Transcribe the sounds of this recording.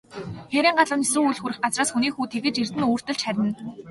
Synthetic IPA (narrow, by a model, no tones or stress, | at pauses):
xeɾʲiːŋɢaɮə̆nesruːŋujɮxuɾɘ̆χɢat͡sraːsxuniːxuːt̪ʰeɣɘ̆t͡ɕir̥t̪ɘ̆nuːr̥t̪ɵ̆ɮt͡ɕχæɾʲɪ̆n